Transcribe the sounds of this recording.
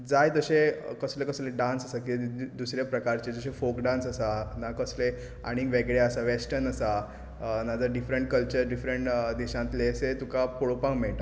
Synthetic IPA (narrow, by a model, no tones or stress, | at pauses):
d͡zajt̪əɕekəslekəslẽɖãnsəsak̬id̪usɾjapɾəkaɾt͡ɕed͡zəɕẽfokɖãnsəsanakəsle | a̰ɽ̃ĩɡʋeɡɽeəsaʋesʈəɾnəsa | nad͡zəɾɖifɾəɳʈ̚kəlt͡ɕəɾɖifɾəɳʈd̪iɕãnt̪leset̪ukapoɭopãŋɡmɛɭʈã